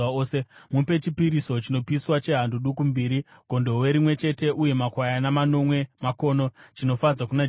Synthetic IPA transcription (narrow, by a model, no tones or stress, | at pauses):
aoːsemupe̞t͡ʃipiɾiso̞t͡ʃino̞piswat͡ʃe̞ɦanduɗukumbiːɾiɡ̥ʱo̞ndo̞we̞ɾimwe̞t͡ʃe̞te̞ʔuje̞makwajanamano̞mwe̞mako̞ːno̞t͡ʃino̞fad͡zakuna